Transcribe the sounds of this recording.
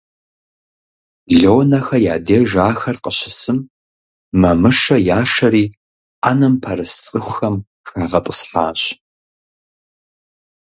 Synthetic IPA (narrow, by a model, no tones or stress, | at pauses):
ɮoːnɐxɐjaːdeːʒaːxɐrqəɕɪsɨm | mɐmɨʂɐjaːʂɐɾiː | anɐmpʰɐɾɨst͡sʼɨxʷʊxɐm | xaːʁɐtʼəsħa̰ːɕ